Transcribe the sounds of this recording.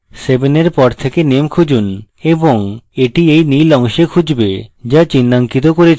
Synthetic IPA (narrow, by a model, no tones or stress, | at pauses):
sebeneɾpɔɾt̪ʰekenemkʰud͡ʑun | eboŋeʈiejnijlɔŋʃekʰud͡ʑbed͡ʑat͡ɕinːaŋkit̪okoɾe